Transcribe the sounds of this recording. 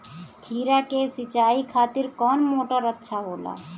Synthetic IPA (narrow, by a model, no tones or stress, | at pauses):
t̪ʰiːɾakesɪt͡ʃaːikʰaːt̪ɪɾkɔːnmoːʈəɾətːʃʰaɦoːla̰ː